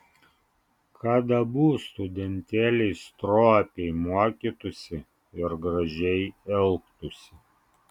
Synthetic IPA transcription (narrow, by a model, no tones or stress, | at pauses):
kʰɑːd̪ɐbuːst̪ʊd̪ʲɛnʲt̪ʲæːlʲɛɪst̪ɾoːpʲɛɪmuɔkʲiːt̪ʊsʲɪ | ɪɾɡɾɐʒʲɛɪɛlˠkt̪ʊsʲɪ